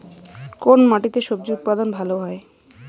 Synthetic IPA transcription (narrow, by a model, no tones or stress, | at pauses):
konmaʈit̪eʃob̚d͡ʑuut̪̚pad̪onbʱaloɦɔe